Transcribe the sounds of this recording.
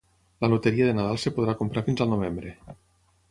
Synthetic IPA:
lanot̪eɾiaðenaðalˠsepoð̞ɾakompɾaɾfinzəlˠnoβ̞embɾe

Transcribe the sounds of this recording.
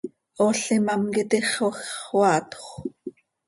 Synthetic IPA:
oɬimɑmkit̪iχwaxwɑːt̪χʷ

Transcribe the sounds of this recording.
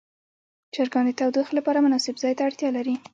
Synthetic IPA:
d͡ʒaɾɡɑnd̪ət̪awd̪ixlapɑɾamʊnɑsɪbzɑjt̪aːɽt̪jɑlaɾi

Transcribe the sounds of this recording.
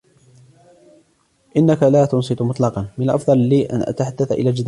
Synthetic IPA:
ʔɪnːakalaːt̪ʊnsˤɨt̪mʊt̪ˤlɑqɑnmɪnalʔɑ̰fðˤɑlːiːʔa̰nʔa̰t̪aħad̪ːaθaʔɪ̰laːd͡ʒɪd̪

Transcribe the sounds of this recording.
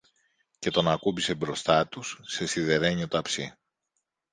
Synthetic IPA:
ce̞t̪o̞nɐkubise̞bɾo̞st̪ɐt̪usːe̞siðe̞ɾe̞ɲio̞t̪ɐpsi

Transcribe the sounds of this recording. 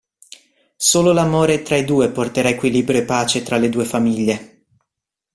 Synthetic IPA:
soːlolamoːɾet̪ɾaid̪uːeport̪eɾaekwiliːbɾjoepːaːt͡ʃet̪ɾaled̪uːefamiʎːe

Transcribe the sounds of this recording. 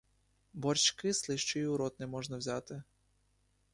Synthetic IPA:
bɔrt͡ʃkɪslˠɪʃt͡ʃɔiʊɾɔt̪nɛmɔʒnɐwzʲɑt̪ɪ

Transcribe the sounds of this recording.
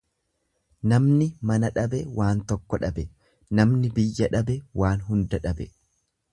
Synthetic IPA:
nɐmnɪmɐnɐᶑɐbɛwʔaːnt̪ɔkːɔᶑɐbɛ | nɐmnɪbɪjːɐᶑɐbɛwaːnɦʊnd̪ɐᶑɐbɛ

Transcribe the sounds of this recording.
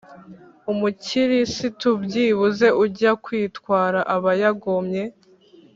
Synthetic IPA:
umuciɾisitubɟiːβuze̞ʔuɟakwiːtkwaːɾaʔaβajaɡomɲe̞

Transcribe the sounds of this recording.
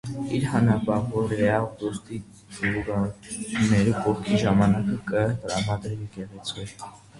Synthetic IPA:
iɾhɑnɾɑpɑʁvɔɾɛɑd̪ɔst̪i | luɡɑnɛɾupɔχkʰiʒɑmɑnɑkəkət̪əɾɑmɑd̪ɾvikɛʁɛt͡sʰvɛɾ

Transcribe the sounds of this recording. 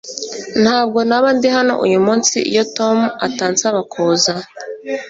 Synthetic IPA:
n̥haːb̚ɡo̞naβandiɦano̞̰ʔṵjumuːnsḭjotomuataːnt͡saβakʰoːza

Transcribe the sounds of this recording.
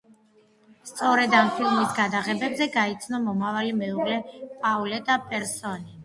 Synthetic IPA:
st̪sʼɔɾɛd̪ampʰilmisɡad̪aʁɛbɛbzɛɡait̪sʰnɔmɔmavalimɛuʁlɛpʼaulɛd̪apʼɛɾsɔni

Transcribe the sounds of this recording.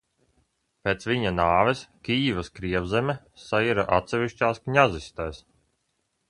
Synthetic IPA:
pʲeːt̪sʋiɲanaːvɛskʲiːvaskɾiɛvzɛmʲɛ | sajiɾaʔat̪sɛvʲiʃt͡ʃaːskɲazist̪ajs

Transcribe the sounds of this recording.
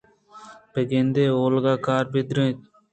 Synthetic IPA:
peɡẽnd̪eːoːlɡaːkaːɾped̪ɾẽːt̪̚

